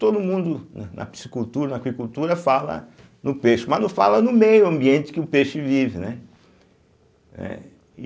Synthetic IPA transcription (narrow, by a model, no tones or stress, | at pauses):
t̪od̪ʊmũnd̪ʊnnʔɐ̰pi̥si̥kult̪uɾɐnɐakwikult̪uɾɐfalɐ̰ | nʊpeʃʊmɐnɐ̃falɐnʊmejʊɐ̃mbiẽnt̪ɪ̥kɪʊpeʃʊvivɪnɛ | nɛ̰